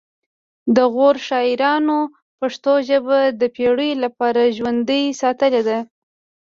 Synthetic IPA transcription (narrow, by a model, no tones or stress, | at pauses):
d̪əɣoɾʃɑɪɾɑno | paʂt̪oʒəbad̪əpeɽəjlapɑɾaʒwand̪əjsɑt̪əled̪a